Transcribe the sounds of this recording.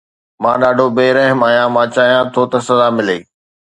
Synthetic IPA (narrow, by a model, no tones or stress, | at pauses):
mãːɗaːɖʱobeːɾɐɦɪmaːjãmãːt͡ɕaːɦijãt̪ʰot̪ɐsɐd̪aːmɪleː